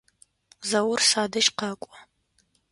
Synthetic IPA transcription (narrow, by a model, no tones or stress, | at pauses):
zɐwʊrsaːdɨʃqɐkʷʼɔ